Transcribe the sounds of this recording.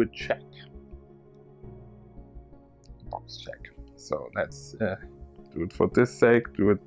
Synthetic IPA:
ɨd̚t͡ʃʰɛk | b̥ɑkst͡ʃʰɛ̰ksoʊlætsæd̥ɨd̥fə˞ðɪseɪkd̥ɨɨd̚

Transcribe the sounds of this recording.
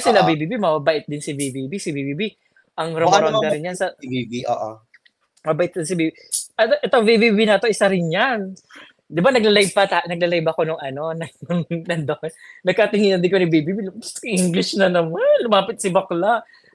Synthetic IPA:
sɪlabibiːbimɐbabɐʔɪt̪̚d̪ɪnsɪbibibisɪbibiːbi | ʔɐŋɾomɾond̪ɐɾɪnjansɐio̰ʔo̰ | mɐbɐʔɪt̪̚d̪ɪnsɪbiːbiʔɐt̪ʔɛt̪oŋvibibinɐt̪oʔɪsɐɾɪnɲan | d̪ɪbanɐɡ̚lɐlɐj̚pɐt̪anɐɡ̚lɐlɐjbɐko̞nʊŋɐno̞nɐnʊŋnɐnd̪oʔɛnɐɡ̚kat̪ɪŋiːnɐnd̪ɪnkoɐbibiːbiʔiŋɡlɪʃnɐnɐmalʊmaːpɪt̪̚sɪbɐkla

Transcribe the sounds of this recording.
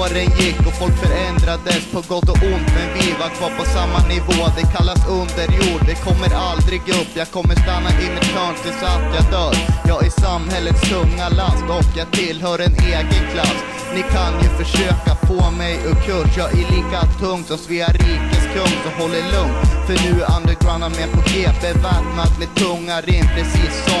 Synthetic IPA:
aɾɛnjɪkːɔfɔlkfœɾɛnd̪ɾad̪əspʰɔɡɔt̪ːɔʔʊnt̪mɛnvɪvaɾkʰvɑːɾpɔsamːanɪvoːd̪ɛkʰalːasɵnd̪əɾjuːɖːɛkʰɔmːəɾald̪ɾɪɡɵpːjɑːɡ̚kʰɔmːəʂt̪anːaʔɪnːɪt̪ʰœːɳʈ̪ʰɪlsɔant̪jɑːd̪œːɾjɑːɡɪsamːhɛlːət̪sk̪ʰɵŋːaɭand̪ɔkjɑːɡt̪ʰɪlɦœːɾɛneːɡənkʰlasː | nɪkʰanjɵfœʂøːkapʰomɛjɔkʰːɵʂjɑːʔɪɭiːkat̪ʰɵŋt̪sɔmsviːaɾiːkəskʰɵŋt̪sɔɦɔlːəɭɵŋt̪fœɳʉ̟ːand̪əɡɾanamɛɛnpʰɔkʰeːpɛvɛt̪nat̪mɛːd̪̚t̪ʰɵŋːaɾɪŋpʰɾɛsiːsːɔ

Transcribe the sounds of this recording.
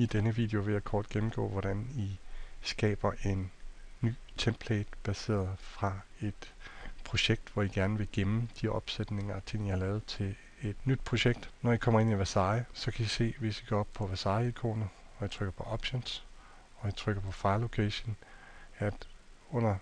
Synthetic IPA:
id̥enəʋḭːd̥eo̝ʋe̝jɑ̈ɪkʰɒːd̥ɡ̥em̩ɡ̥ɔ̰ːʋɒɾ̥ænisɡ̥ɛ̰ːb̥ɐʔe̝nːy̰ːt͡sʰemb̥ʰleːd̥b̥æse̝̰ːɐðˠfʁɑ̈ | e̝d̥pʰʁo̝ɕeɡ̥̚d̥ʋɒiɡ̥æɐnəʋe̝ɡ̥emm̩d̥iɒ̽b̥sed̥ne̝ŋɐt͡sʰe̝ŋ̰ihɑ̈lɛːʊð̞̩ˠt͡sʰe̝l | e̝d̥nyd̥̚pʰʁo̝ɕeɡ̥̚d̥nɒikʰɒ̽m̰ɐe̝niʋæsɑ̈ɪsɒ̽kʰæise̝̰ːʋe̝siɡ̥ɒ̰ɒb̥̚pʰɒ̽ʋæsɑ̈ɪikʰo̰ːnð̩ˠɒ̽jat͡sʰʁœɡ̥ɐpʰɒ̽ʔɒ̽b̥ɕons | ɒ̽jat͡sʰʁœɡ̥ɐpʰɒ̽fɑ̈ɪlːo̝kʰeːɕon | æd̥ | ɔ̽n̰ɐ

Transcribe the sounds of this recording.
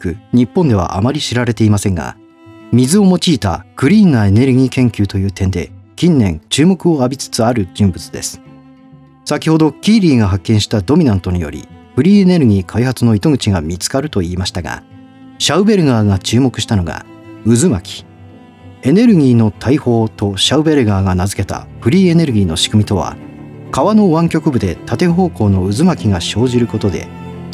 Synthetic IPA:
kɯ̟ɲ̟ipːõ̞nd̪e̞β̞a̰ʔa̰maɾʲiɕiɾaɾe̞t̪e̞imasẽ̞ŋɡa̰ | mʲizɨo̞mo̞t͡ɕiːt̪a̰ɡ̥ɯ̟ɾʲiːŋŋae̞ne̞ɾɯ̟ɡʲiːkẽ̞ŋkʲɨːt̪o̞jɯ̟ːt̪ẽ̞nd̪e̞kʲĩnːẽ̞ŋt͡ɕɨːmo̞kɯo̞abʲit͡sɨ̥t͡sɨaɾɯ̟d͡ʑĩmbɯ̟t͡sɨ̥d̪e̞̰sɨ̥ | sakʲiho̞d̪o̞kʲiːɾʲiːɡaɦakːẽ̞ɰ̃ɕi̥t̪ad̪o̞mʲinãnt̪o̞ɲ̟ijo̞̰ɾʲḭɸɯ̟ɾʲiːe̞ne̞ɾɯ̟ɡʲiːkʰaihat͡sɨno̞it̪o̞ɡɯ̟t͡ɕiɡamʲit͡sɨ̥kaɾɯ̟t̪o̞iːmaɕi̥t̪aɡa̰ | ɕaɯ̟be̞ɾɯ̟ɡaːɡat͡ɕɨːmo̞kɯ̟ɕi̥t̪ano̞ɡa̰ | ɯ̟zɨma̰kʲi̥ | e̞ne̞ɾɯ̟ɡʲiːno̞t̪ʰaiho̞ːt̪o̞ɕaɯ̟be̞ɾɯ̟ɡaːɡanazɨ̥ke̞t̪a̰ɸɯ̟ɾʲiːe̞ne̞ɾɯ̟ɡʲiːno̞ɕi̥kɯmʲit̪o̞β̞a̰kaβano̞βãŋkʲo̞kɯ̟bɯ̟d̪e̞t̪ʰat̪e̞ɦo̞ːko̞ːno̞ɯ̟zɨmakʲiɡaɕo̞ːʑiɾɯ̟ko̞t̪o̞d̪e̞̰

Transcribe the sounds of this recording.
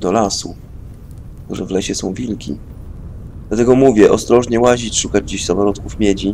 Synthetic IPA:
d̪ɔlasṵ | kt̪uʐɛvlɛɕɛsɔ̃w̃vʲilkʲḭ | d̪̥lat̪ɛɡɔmuvʲjɛʔɔst̪ɾɔʐɲɛwaʑit͡ɕʂukad͡ʑd͡ʑiɕzamɔɾɔt̪kufmʲjed͡ʑi

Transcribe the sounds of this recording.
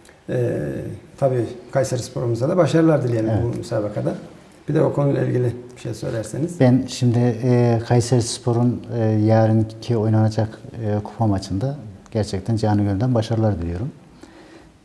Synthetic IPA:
ɛ̰ːt̪ʰabiːkʰajseɾspʰo̞ɾumuzd̪ad̪abaʃaɾɯlˠaɾd̪ilʲijelʲbumysaːbakʰad̪a | b̥id̪ɛokʰo̞nujlˠa̰ilʲɟilʲiʃejsøjlʲæɾseniz̥b̥ænʃimd̪ɪkʰajsaɾspʰo̞ɾunːjaːɾɯncʰio̞jnanad͡ʒakɯːkʰu̥pʰamat͡ʃʰɯnd̪aɟ̥æɾt͡ʃʰɛc̚t̪ʰænd͡ʒaːnɯɟønd̪ænbaʃaɾɯlˠaɾd̪ilʲijoɾum

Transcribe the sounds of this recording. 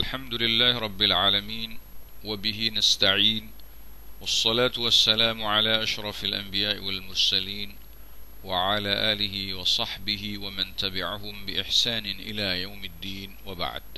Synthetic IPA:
ʔʔalħamd̪ʊlɪlːaːhɾˤɑbːɪlʕaːlamiːnwabɪɦɪnast̪aʕiːn | wɑsˤːɑlaːt̪wasːalaːmʕalaːʔaʃɾˤɑfalʔa̰mbɪjaːʔɪwalmʊɾˤsaliːn | wɪʕalaːʔaːlɪhɪwɑsˤɑħbɪhɪwamant̪abɪʕaɦʊmbɪʔɪħsaːnɪʔɪlaːjawmɪd̪ːiːnwaba̰ʕd̪̥

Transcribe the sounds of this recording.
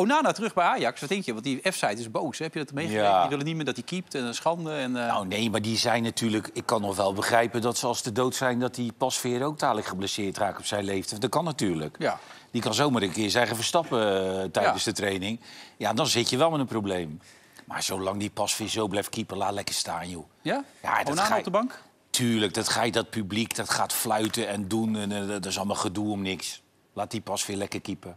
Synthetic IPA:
onaːnaːtərɵχbɛjaːjɑksʋɔtɪŋkjəʋɑntdiɛfsajtɪzbowshɛpjədɔtmejjaʋɪlənit̚mɪːdɔtikip̚tɛnəsχɑndəɛnnawnejmaɹdizɛjnːatyːɹləkɪkːɑnːɔχʋɛlˠbəχrɛjpədɔtsəɑlˠsdədowtsɛjndɔt̚dipɑsfɪːɾəowk̚taːləkχəblɛsɪːtraːkɔpsɛjnlejftəndɑkɑnːatyːɹlə̰k | dikɑnzowmarəŋkɪːɹzɛjχəfərstɑpətɛjdənzdətrejnɪŋjadɔnzɪtjəʋɛlˠmɪnənprowblejm | ma̰ɹz̥owlɑŋdipɑsfɪːzowblɛjfkipəlaːtlɛkəstaːnju | ja̰dbɑŋk | tʰyːrlək̚dɔtχaj̚dɔt̚pyblikdɔtχaːtflœɥtəɛndunndɔsɔlˠəmɔlˠχəduɔmnɪks | laːt̚dipɑsfɪːlɛkərkipə

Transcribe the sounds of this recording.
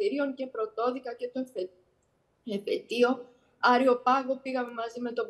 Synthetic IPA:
iɾio̞ŋce̞pɾo̞t̪o̞ðikɐce̞t̪o | efe̞t̪io̞ | ɐɾio̞pɐɣo̞piɣɐme̞mɐzime̞t̪o̞b

